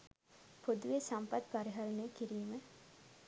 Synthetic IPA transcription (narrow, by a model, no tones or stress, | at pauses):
pod̪uʋesampat̪paɾiɦalnekiɾiːmə